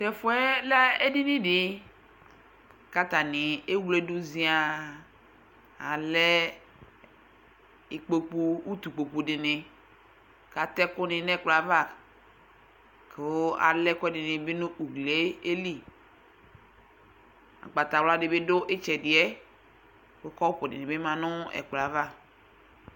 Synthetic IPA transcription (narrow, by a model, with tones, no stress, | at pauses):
t̪ɛ˨fʊ˦ɛ˦la˦e˦di˦nĩ˦dɪ˨ | ka˦t̪a˨nɪ˨e˦wle˦du˦zĩ˦a˨ | a˨lɛ˦ | i˨k͡po˨k͡pu˦u˦t̪u˨k͡po˨k͡pu˨dɪ˨nɪ̃˨ | ka˨t̪ɛ˦kʊ˦nɪ̃˨nɛ̃˦˨k͡pla˨va˦˨k | ke˨o˦a̰˨lɛ˦kɛ˦dɪ˨nɪ˨bɪ˦nʊ̃˦ʔu˨ɡle˦e˦li˦ | a̰˨ɡ͡ba˨t̪a˨wla˦dɪ˨be˦dʊ˦ʔɪ˦t͡ʃɛ˨dɪ˨ɛ˦ | wo˦kɔ˦wo˦pʊ˨dɪ̰˨nɪ̃˨be˦mã˨nʊ̃˦ɛ̰˨k͡pla˨va˦